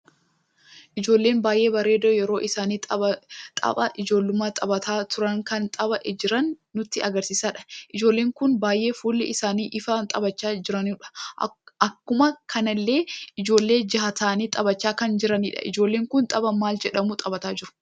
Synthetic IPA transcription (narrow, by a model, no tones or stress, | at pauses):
ʔɪd͡ʒo̞ːlːe̞ːnbaːjʔe̞ːbɐɾe̞ːd̪ojɛɾo̞ːʔɪsaːniːt̪ʼɐɐt̪ʼɐ̰bɐʔɪd͡ʒo̞ːlːʊmaːt̪ʼɐbɐt̪aːt̪ʊɾɐŋkɐnt̪ʼɐbɐʔd͡ʒɪɾɐnːʊt̪ːɪɐɡɐɾsiːsaːᶑɐ̥ʔɪd͡ʒo̞ːlːe̞ːŋkʊnbaːjʔe̞ːfuːlːɪɪsaːniːʔɪfant̪ʼɐbɐt͡ʃːaːd͡ʒɪɾɐnːᶑɐ̥ɐkːʊmɐkʰɐnɐlːe̞ːʔɪd͡ʒo̞ːlːe̞ːd͡ʒɪɦɐt̪aːniːt̪ʼɐbɐt͡ʃːaːkɐnd͡ʒɪɾɐniːᶑɐ̰ʔɪ̰d͡ʒoːlːeːŋkʊnt̪ʼɐbɐmaːld͡ʒɛᶑɐmʊt̪ʼɐbɐt̪aːd͡ʒɪɾʊ̥